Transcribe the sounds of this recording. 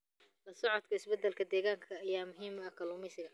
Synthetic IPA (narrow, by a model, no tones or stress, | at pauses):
lɐsɔʕɔd̪kʰɐɪsbɛd̪ːɛlkʰɐd̪ɛːɣaːŋkʰɐːjaːmʊɦiːmɐkʰɐlʊːmɪjsɪɣɐ